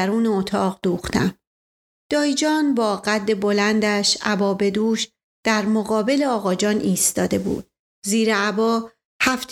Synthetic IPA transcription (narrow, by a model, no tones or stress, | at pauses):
æɾuːneot̪ʰɒːʁd̪̥uːxt̪ʰæ̰m | d̪̥ɒːid͡ʒɒːnbɒːɢæd̪ːe̞bo̞lænd̪æʃæbɒːbe̞d̪uːʃ | d̪̥æɾmoɣɒːbe̞le̞ɒːɣɒːd͡ʒɒːnʔiːst̪ɒːd̪e̞bṵːd̪̥̚ | ziːɾeæbɒː | hæft̪ʰ